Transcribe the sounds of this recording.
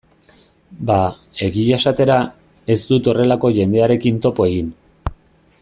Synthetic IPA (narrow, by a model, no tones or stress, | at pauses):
ba | e̞ɣiʝasat̪e̞ɾa | e̞zd̪ut̪o̞re̞lako̞ʝe̞nd̪e̞aɾe̞kint̪o̞po̞e̞ɣin